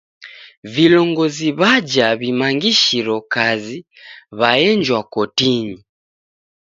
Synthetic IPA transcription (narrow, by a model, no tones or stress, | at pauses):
vilɔŋɡɔziβad͡ʒaβimaŋɡiʃiɾɔkazi | βajɛɲd͡ʒwakɔtiɲi